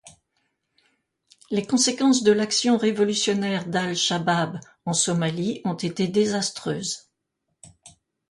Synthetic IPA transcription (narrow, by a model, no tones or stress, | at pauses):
lekɔ̃sekɑ̃sd̪əlaksjɔ̃ʁevɔlysjɔnɛʁd̪alʃabab | ɑ̃sɔmaliɔ̃t̪et̪ed̪ezast̪χøːz